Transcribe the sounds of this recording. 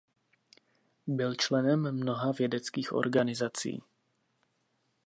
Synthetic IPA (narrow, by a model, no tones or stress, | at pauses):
bɪlt͡ʃlɛnɛmːno̞ɦavjɛdɛt͡skiːxʔo̞̰ɾɡanɪzat͡sḭː